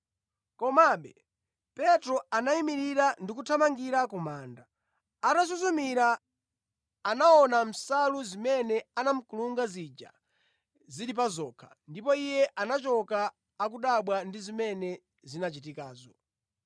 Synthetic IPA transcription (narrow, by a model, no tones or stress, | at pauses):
kɔmaɓɛ | pɛtɾɔanaimiɾiɾandik̬utʰamaŋɡiɾakumaːnda | atas̬uzumiɾa | naɔnam̩saluzimɛnɛanam̩kuluŋɡazid͡ʒa̰ | ziɗip̬azɔːkʰḁndipɔijɛʔanat͡ʃɔkaː | kuɗaɓwandizimɛnɛ | zinat͡ʃitikaːzɔ